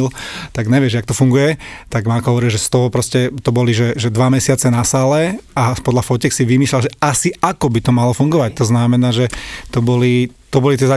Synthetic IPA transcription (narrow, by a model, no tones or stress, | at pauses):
lt̪aɡɲɛʋɪɛʒɛjak̚t̪ɔfuŋɡujɛt̪aɡmakɔɦɔʋɔɾiʒɛst̪ɔɦɔpɾɔscɛt̪ɔbɔliʒɛʒɛd̪ʋamɛsɪat͡sɛnasaːlɛapɔd̪lʎafɔcɛksiʋimiːslalʒɛasiakɔbit̪ɔmalɔfuŋɡɔʋac̚t̪ɔznamɛnaːʒɛt̪ɔbɔli | t̪ɔbɔlit̪ɪɛza